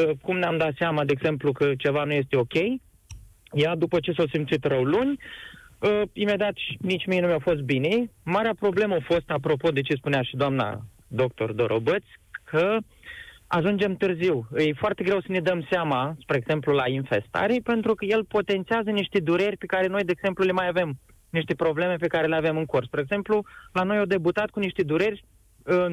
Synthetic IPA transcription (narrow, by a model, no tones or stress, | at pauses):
əkumneamd̪at̪seamad̪eeɡze̞mplukət͡ʃe̞vanuje̞s̬t̪e̞o̞kʲe̞j | jad̪upət͡ʃe̞sawsimt̪sit̪rəwlunʲ | əime̞d̪eat̪ʃnit͡ʃʲmijnumjawfo̞s̬t̪̚bine̞maɾeapɾo̞ble̞məafo̞st̪apɾo̞po̞d̪e̞t͡ʃe̞spuneaʃid̪oamna̰ | d̪o̞k̚t̪o̞̰rd̪o̞ɾʔo̞bət̪sʲkʰə | aʒund͡ʒe̞mt̪ɨrziwɨjfoart̪e̞ɡɾe̞wsəne̞d̪əmseamaspɾeeɡz̥e̞mplulainfe̞st̪a̰ɾepe̞nt̪ɾukəje̞lpot̪e̞nt̪siazəniʃt̪e̞d̪uɾe̞rʲpe̞kaɾe̞no̞jd̪eːɡz̥e̞mplule̞majave̞m | niʃt̪e̞pɾo̞ble̞me̞pe̞kaɾe̞leave̞mɨŋkorspɾeeɡze̞mplulano̞jod̪e̞but̪at̪kuniʃt̪e̞d̪uɾe̞rʲ | ɨ